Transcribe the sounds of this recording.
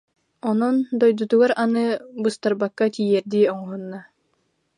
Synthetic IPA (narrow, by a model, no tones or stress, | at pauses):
ɔnɔnd̪ɔjd̪ut̪uɡaɾanɯbɯst̪aɾbakːat̪ʲijɛɾd̪iɔŋɔɦunːa